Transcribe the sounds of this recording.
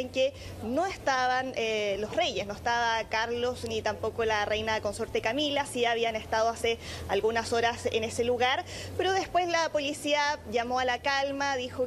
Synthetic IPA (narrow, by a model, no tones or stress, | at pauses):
eŋke | noest̪aβanelo̞sre̞jesno̞est̪aβakaɾlosnit̪ampo̞kolarejnaeko̞nsoɾt̪ekamilasiaβ̞iane̞st̪aðoasealɣunaso̞ɾasḛnese̞luɣaɾpeɾo̞ðe̞spwe̞slapo̞lisiaʝamoalakalmaðixo